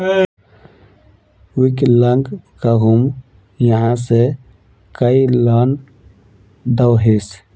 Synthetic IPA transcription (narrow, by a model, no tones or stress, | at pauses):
ukləŋɡkaɦum | jəɦãse | kəilan | d̪awɦes